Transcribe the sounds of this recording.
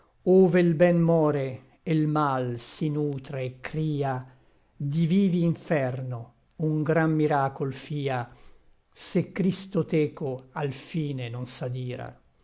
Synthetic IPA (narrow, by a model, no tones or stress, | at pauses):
oːveilbɛnmɔːɾeː | lmalsinuːt̪ɾeːkːɾiːa | d̪iviːviːɱfɛrno | uŋɡɾamːiɾaːkolfiːa | sekːɾist̪ot̪ɛːkoalfiːnenonsad̪iːɾa̰